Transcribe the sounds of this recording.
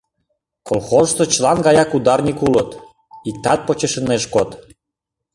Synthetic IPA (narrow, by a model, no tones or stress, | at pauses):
kolˠxozʃt̪ot͡ɕlɑnɡɑjɑkud̪ɑrnʲikulət̪ | it̪ːɑt̪̚pot͡ɕeʃə̆neʃkot̪